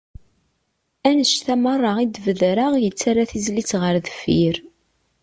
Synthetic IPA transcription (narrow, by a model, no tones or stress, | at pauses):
ænəʃθæmərˤːɑʁid̪vəðɾəʁjət͡sːaɾaθizlit͡sʁəɾðəfiɾ